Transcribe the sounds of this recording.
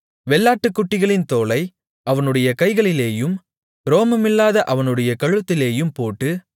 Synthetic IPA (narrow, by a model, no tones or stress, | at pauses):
ʋɛlːaːʈːɯkːʊʈːɪɣɐɭɪnt̪oːlɐɪ | ɐʋɐnɯɽɐjɐkɐɪɣɐɭɪleːjɯm | ɾoːmɐmɪlːaːðɐʔɐʋɐnɯɽɐjɐkɐɻɯt̪ːɪleːjɯmpoːʈːɯ